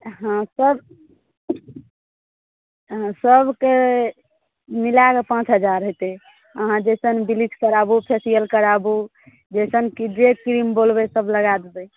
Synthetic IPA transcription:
ɦãsəb | ɦãsəbʱke | milakepãt͡ʃɦəd͡ʒaɾɦojt̪e | əɦãd͡ʒɛsənbilid͡ʒkəɾabupʰesijəlkəɾabu | d͡ʒɛsənkidekkɾimbolbesəbʱləɡad̪ebɛ

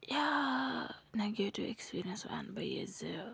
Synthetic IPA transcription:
ja | naɡɛtuʔɛkspiɾiə̃nsw̰ã̰nbajɛ̰zɛo

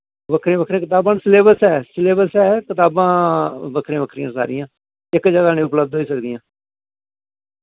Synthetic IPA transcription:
ʋəkʰɾẽːbəkʰɾẽkɪt̪aːbãːsɪleːbəsɛːsɪleːbəsɛːkɪt̪aːbãːbəkʰɾẽːbəkʰɾijãːsa̰ːɾɪ̃jãː | ɪkd͡ʒəɡaːnẽːʊpləb̚d̪ɦoiːsəkd̪ijãː

